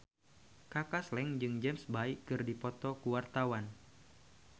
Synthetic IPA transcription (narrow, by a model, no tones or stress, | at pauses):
kakaslɛŋd͡ʒɨŋd͡ʒɛmsbaikɨrdipɔt̪ɔkuwart̪awan